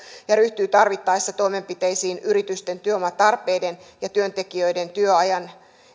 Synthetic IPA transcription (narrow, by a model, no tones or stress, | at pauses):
jɑɾyht̪yːt̪ɑrʋit̪ːɑjst̪ːɑt̪o̞jme̞mpit̪e̞jsiːnyɾit̪yst̪e̞nt̪yøomɑt̪ɑrpˑejde̞njɑt̪yønt̪e̞kiøjde̞nt̪yøɑjɑn